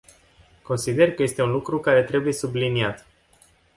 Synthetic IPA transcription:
ko̞nsid̪e̞rkəje̞st̪e̞unlukɾukaɾe̞t̪ɾe̞buje̞subliniat̪

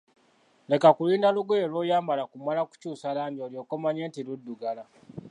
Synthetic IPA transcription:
le̞kakuliːndaluɡeelwojaːmbalakumalaku̥cuːsalaːmɟioljo̞ːkomaɲe̞ːntiludːuɡala

